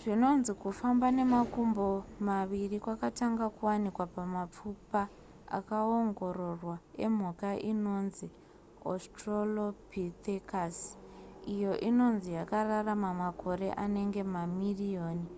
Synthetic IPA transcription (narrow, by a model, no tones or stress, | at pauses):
ʐino̞nzikufambane̞makumbomaʋirikwakataŋɡakuwanikwapamap͡fupa | a̰kaoŋɡo̞ɾo̞rwaḛm̤ukaʔino̞nzi | o̰strolopit̪ekas | ijo̞ʔino̞nzijakararamamako̞ɾe̞ʔane̞ŋɡe̞mamirijoːni